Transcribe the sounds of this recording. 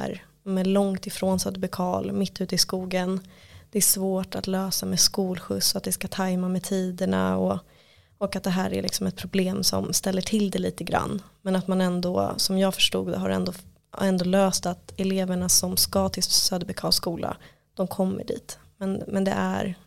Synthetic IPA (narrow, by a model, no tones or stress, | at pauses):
ɾ | mɛlɔŋt̪ɪfɾoːnsœːd̪əbɛkʰɑːlmɪt̪ːʉ̟ːt̪əɪskuːɡənd̪̥ɛæʂvoːʈat̪løːsamɛskuːlɧɵ̰sːɔat̪̚d̪ɛskat̪ʰajmamɛt̪ʰiːd̪əɳa̰ɔ | ɔkat̪̚d̪ɛɦæːɾæ̰lɪ̰ksɔmɛt̪̚pʰɾʊbleːmsɔ̰mst̪ɛlːəʈʰɪld̪ɛliːt̪əɡɾa̰nːmɛnat̪manɛnd̪ɔ̰sɔmjɑːɡfœ̥ʂʈṵːɡd̪ɔɦaɾɛ̰nd̪o | ɛnd̪oːløːst̪at̪ɛleːvəɳasɔmskɑt̪ʰɪlsøːd̪bɛkʰɑːlskuːlʔa̰ | d̪̥ɔmkʰɔmːə̰ɖḭːt̪ | mɛnmɛnd̪ɛ̰ʔæ̰ɾ